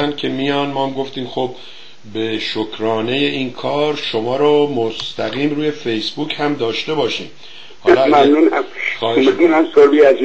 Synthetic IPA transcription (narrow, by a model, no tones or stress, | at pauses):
nd̪̥̚kʲʰe̞mijɒːnmɒːmɡo̞ft̪iːmxob | be̞ʃokʰɾɒːne̞je̞iːnkʰɒːɾʃo̞mɒːɾomost̪ʰæɣiːmɾuːje̞fejsbuːchæmd̪ɒːʃt̪e̞bɒːʃḭːm | hɒlmamnunaxɒːheed̪unæmsoɾbiæzi